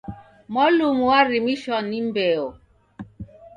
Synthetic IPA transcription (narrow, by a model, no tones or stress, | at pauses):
mɔlumuwaɾimiʃɔnimbɛɔ